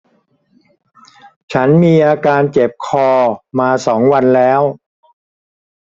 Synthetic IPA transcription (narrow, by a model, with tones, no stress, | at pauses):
t͡ɕʰa˦˥nmiː˧ʔaː˧kaː˧nt͡ɕe˨˩p̚kʰɔː˧maː˧sɔː˩˦ŋwa˧nlɛː˦˥w